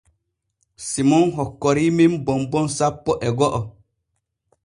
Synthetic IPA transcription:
simɔnɦɔkːɔɾiːmimbɔmbɔnsapːɔʔɛɡɔʔɔ

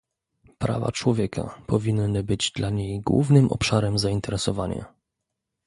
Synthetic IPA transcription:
pɾa̰va̰t͡ʂwɔvʲjɛkʰa̰pɔvʲinːɘbɘd͡ʑd̪laɲejɡwṵvnɘmʔɔ̰pʂaɾɛmzaint̪ɛɾɛsɔvaɲa̰

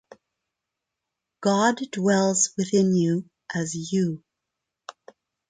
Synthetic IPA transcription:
ɡ̥ɑddwɛlˠzwɨðɪ̃njʉ | ʔɨzjɨ

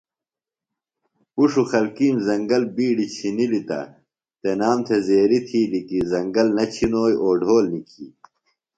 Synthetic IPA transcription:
puʂuxɐlkiːmzɐŋɡɐlbiːɖit͡ɕʰinilit̪ɐ̰ | t̪enaːmt̪ʰezeːɾit̪ʰiːlikizɐŋɡɐlnɐt͡ɕʰinoːjoːɖʱoːlnikʰḭ

